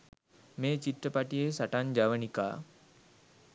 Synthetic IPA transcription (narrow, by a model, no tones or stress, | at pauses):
meːt͡ʃiʈːəpaʈijesaʈand͡ʒaʋənika̰ː